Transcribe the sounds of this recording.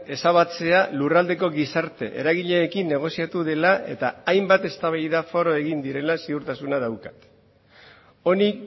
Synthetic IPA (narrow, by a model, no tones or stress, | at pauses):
e̞saβ̞at͡se̞alurald̪e̞ko̞ɣisaɾt̪e̞̰ʔe̞̰ɾaɣiʎe̞ːkinːe̞ɣ̞o̞siat̪uð̞e̞lae̞̰t̪aːjmbat̪e̞st̪aβ̞ajðafo̞ɾo̞e̞ɣind̪iɾe̞lasiuɾt̪asunaðawkḁt̪ | o̞nik